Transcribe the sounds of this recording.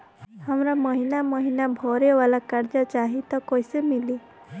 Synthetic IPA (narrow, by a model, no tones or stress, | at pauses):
hamɾaməɦinaməɦinabʱɔɾeʋalakaɾd͡ʒat͡ʃaɦit̪ɔkɔjsemili